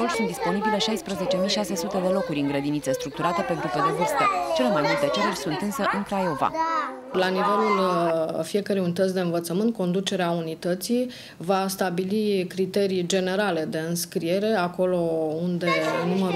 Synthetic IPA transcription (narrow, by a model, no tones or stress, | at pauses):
orsunt̪d̪ispo̞nibile̞ʃajspɾəze̞t͡ʃe̞mijʃase̞sut̪e̞d̪e̞lo̞kuɾʲɨŋɡɾəd̪init̪se̞st̪ɾuk̚t̪uɾat̪e̞pe̞nt̪ɾuped̪ovɨrst̪et͡ʃe̞lemajmult̪̚d̪e̞t͡ʃe̞ɾurʲsunt̪ɨnsəʔɨŋkɾajo̞va̰ | lanive̞lulfije̞kəɾejunit̪ət̪sʲd̪e̞ɨnvət̪səmɨnt̪̚ko̞nd̪ut͡ʃe̞ɾeaunit̪ət̪si | vast̪abilikɾit̪e̞ɾijd͡ʒe̞ne̞ɾale̞d̪e̞ɨnskɾie̞ɾe̞ako̞lo̞und̪e̞numəɾ